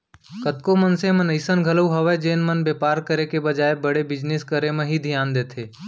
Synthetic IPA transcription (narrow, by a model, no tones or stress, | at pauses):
kət̪komənsẽmɐnəɪsənɡʱələuɦɐʋed͡ʒeːnmənbeːpaːɾkəɾekebəd͡ʒaːebəɽebɪd͡ʒneːskəɾemẽɦid̪ʱijaːnd̪eːt̪ʰeː